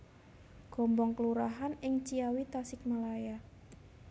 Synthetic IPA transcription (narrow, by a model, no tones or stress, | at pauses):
ɡ̥ɔ̤mbɔŋkəluɾaɦanɪŋt͡ʃiawit̪asɪk̚malaja